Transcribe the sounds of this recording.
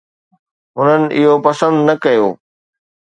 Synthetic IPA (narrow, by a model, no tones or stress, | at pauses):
ɦʊnənɪ̆ʔɪɦopɐsə̃nd̪nɐkɐjoː